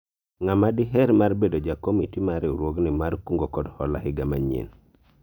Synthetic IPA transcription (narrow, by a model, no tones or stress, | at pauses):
ŋamadɪɦɛɾmarbedod͡ʒakomitimaɾɛuɾwoɡnɪmaɾkuŋɡokɔdhɔ̰la̰hɪɡamaɲḛn